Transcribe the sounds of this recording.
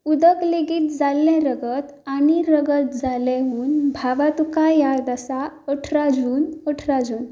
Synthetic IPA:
ud̪əkleɡiːt̪̚d͡zalːɛ̃ɾəɡət̪aniɾəɡət̪̚d͡zalɛ̃ɦuːnbʱaʋat̪ukajad̪əsaɔʈʰɾad͡zuːnəʈʰɾad͡zuːn

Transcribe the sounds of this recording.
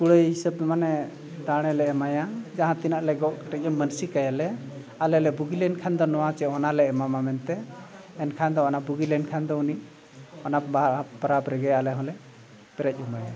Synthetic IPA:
kuɽəjɦisəb̚manɛ | d̪aɽ̃ɛlɛɛmajad͡ʒaɦãt̪inaʔlɛɡɔʔkəʈɛc̚əmːənsikajalɛ | alɛlɛbuɡilɛnkʰand̪ɔnɔwat͡ʃɛɔnalɛːmamamɛnt̪ɛː | nkʰand̪ɔɔnabuɡilɛnkʰand̪ɔuniʔ | ɔnaabaɾabɾɛɡɛjaalɛɦɔ̃lɛ | pɛɾɛc̚umaja

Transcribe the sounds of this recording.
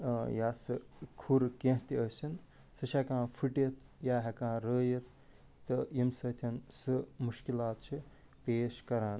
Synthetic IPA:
jaːsɨkʰuɾkẽɦt̪iəsin | sɨʃʰɐkãːpʰiʈet̪ʰ | jaːɦɐkãːɾəːjet̪̚ː | ɨjimsɐt̪ʰɐnsɨmuʃkilaːt̪t͡ʃʰi | peːʃkɐɾaːn

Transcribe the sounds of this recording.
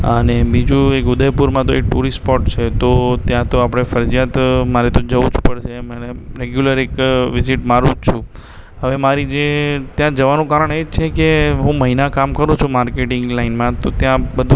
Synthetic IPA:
ə̰nebid͡ʒũekʊd̪ʱəjpuɾmãt̪oek̚ʈuɾispɔʈt͡ʃʰet̪ot̪jãt̪oapɽ̃efəɾd͡ʒjat̪maɾet̪od͡ʒəʋud͡ʒpəɽʃeməneɾeɡjuləɾekʋiziʈmaɾũd͡ʒt͡ʃʰũ | ɦəʋemaɾid͡ʒet̪jãd͡ʒəʋanũkaɾəɳed͡ʒt͡ʃʰekeɦũməɦinakamkəɾũt͡ʃʰũmaɾkeʈɪŋɡlainmãt̪ot̪jãbəd̪ʱũ

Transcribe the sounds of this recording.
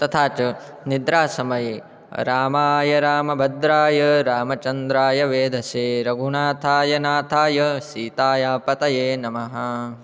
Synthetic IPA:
t̪ɐt̪ʰaːt͡ʃɐ | nid̪ɾaːsɐmɐje | ɾaːmaːjɐɾaːmɐbʱɐd̪ɾaːjɐɾaːmɐt͡ʃɐnd̪ɾaːjɐʋeːd̪ʱɐseːɾɐɡʱuɳaːt̪ʰaːjɐnaːt̪ʰaːjɐsiːt̪aːjaːpɐt̪ɐjeːnɐmɐɦɐ

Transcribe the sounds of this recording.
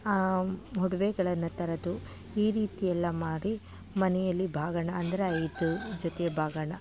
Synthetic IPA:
aɦuɽɐʋɛɡɐɭɐnːɐt̪ɐɾɐd̪u | iːɾiːt̪ijɛlːɐmaːɽi | mɐnɛjɐlːibʱaːɡɐɳɐɐnd̪ɐɾeɐjd̪ud͡ʒot̪ɛbʱaːɡɐɳɐ

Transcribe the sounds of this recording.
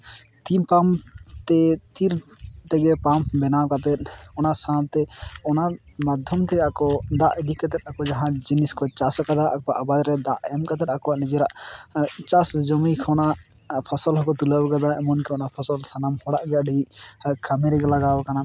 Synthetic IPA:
t̪impamt̪ɛt̪iɾt̪ɛɡɛpambɛnawkat̪ɛt̪̚ɔnaʔsãlt̪ɛɔnamad̪ʱjɔmt̪ɛɡaʔkɔd̪aʔɛɖikːat̪ɛt̪̚akɔd͡ʒaɦãd͡ʒiniskɔt͡ʃasakad̪aʔakɔʔabad̪ɾɛd̪aʔɛmkat̪ɛt̪akɔwaʔnid͡ʒɛɾaʔ | t͡ʃasd͡ʒɔmikʰɔna | pʰɔsɔlɦɔkɔt̪ulawkad̪aɛmɔnkɛɔnapʰɔsɔlsanamhɔɽaʔɡɛaɖiʔkʰamɛɾɛɡɛlaɡawkana

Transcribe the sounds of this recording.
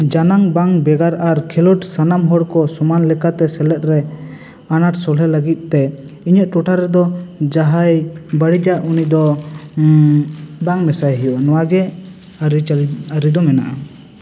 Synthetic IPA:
d͡ʒanaŋbaŋbɛɡaɾaɾkʰɛlɔʈsanamɦɔɽkɔsɔmanlɛkat̪ɛsɛlɛt̪̚ɾɛ | anaʈsɔlɦɛləɡit̪̚ˀt̪ɛ | iɲəʔ̪̚ˀʈɔʈʰaɾɛd̪ɔd͡ʒaɦajbəɽid͡ʒajunid̪ɔ | baŋmɛsajɦijɔnɔwaɡɛ | aɾiaɾid̪ɔmɛna̰ʔa

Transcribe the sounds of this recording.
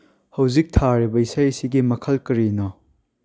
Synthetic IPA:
hɐwzik̚tʰaɾibɐisajsiɡimɐkʰɐlkɐɾinɐ

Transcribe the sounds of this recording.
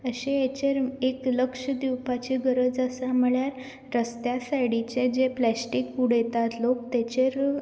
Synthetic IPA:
əɕeet͡ɕeɾekləkʂəd̪iwpat͡ɕiɡəɾəd͡zəsaməɭjaɾː | əst̪jasaɽit͡ɕed͡ʑeplæsʈikpuɽɛt̪at̪lokt̪et͡ɕeɾ

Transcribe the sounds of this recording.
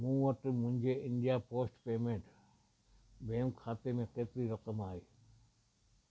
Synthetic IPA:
mũːʋəʈmʊ̃nd͡ʒeʔɪɳɖijapoːsʈpeːmẽɳʈ | beːmkʰaːt̪emẽkeːt̪ɾiɾəqəmaːeː

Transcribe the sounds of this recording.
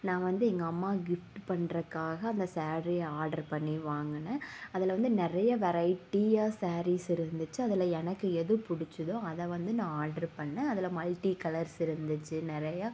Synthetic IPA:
nãːʋɐnd̪ɯɛŋɡɐːmːaːɡɪfʈpɐɳɾɐkːaːɣɐːnd̪ɐsaːɾijaːɾɖɐɾpɐɳːiʋaːŋɡɐnɐɐðɪlʋɐnd̪ɯnɪɾɐjɐʋɛɾɐɪʈːijaːsaːɾiːsɪɾɯnd̪ɯt͡ʃːɯɐðɪlɐɛnɐkːɯɛðɯpʊɽɪt͡ʃːɯðõːɐðɛʋɐnd̪ɯnãːaːɾɖɐɾpɐɳːɛ̃ɐðɪlɐmɐlʈikɐlɐɾsɪɾɯnd̪ɯt͡ʃːɯnɪɾɐjaː

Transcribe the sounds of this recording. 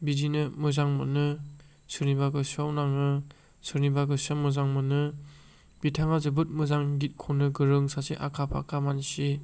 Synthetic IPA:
bidinɯmɯzaŋmɯ̰nɯ | sɯɾnibaɡɯsiawnaŋnɯ | sɯɾnibaɡɯsamɯzaŋmɯnɯ | b̥itʰaŋazɯbɯt̚mɯzaŋɡit̚kʰɔnɯɡɯɾɯŋsasiʔakʰapʰa̰kʰamansi

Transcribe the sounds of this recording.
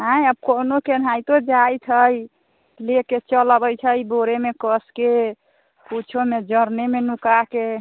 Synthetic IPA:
ɦãjəb̚konoken̤ajt̪od͡ʒajt͡ʃʰəj | leket͡ʃəlbəjt͡ʃʰəjboɾemekəske | put͡ʃʰomed͡ʒəɾnemenukake

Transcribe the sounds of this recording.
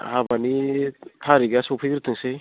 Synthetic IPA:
habanipʰaɾiɡasɔpʰiɡɾɯt̪ʰɯŋsej

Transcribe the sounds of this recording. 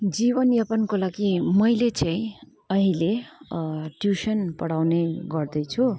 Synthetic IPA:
d͡zibʌnjʌpankolaɡimʌjlet͡saĩ | ʌɦile | ʈjusʌnpʌɽawneɡʌrd̪ʌjt͡sʰu

